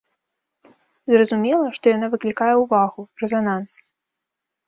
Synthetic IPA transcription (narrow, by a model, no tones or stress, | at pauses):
zrɐzumʲɛlˠɐʂt̪ɔjanavɨklʲikajɛwvaɣurɛzanans